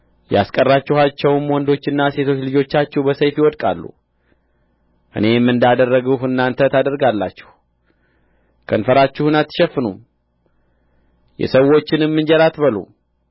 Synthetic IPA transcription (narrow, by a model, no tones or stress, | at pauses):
ja̰skʼərːat͡ʃːɪhat͡ʃːɛwmwɔnd̪o̞t͡ʃːɪnːase̞t̪ʰo̞t͡ʃːlɨd͡ʒo̞t͡ʃːat͡ʃːɛhbəsəjfjiwɔd̪kʼa̰lːṵ | ʔɨ̰ne̞jɛmːɨnd̪jad̪ərːəɡhɨnːant̪ʰət̪ʰad̪əɾɡalːat͡ʃːɛ̥h | kʰənfəɾat͡ʃːuhɨnat̪ːɨ̥ʃɛfːɨnṵm | jɛ̰səwːo̞t͡ʃːɪnɨmːɨnd͡ʒɛɾat̪bəlṵm